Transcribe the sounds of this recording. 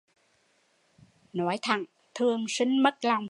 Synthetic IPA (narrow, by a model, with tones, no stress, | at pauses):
nɔ˨˦jt̪ʰa̰˧˩˨ŋ | t̪ʰɨ˨˩əŋsï˧ŋ̟mə˦˥t̚la˨˩wŋ͡m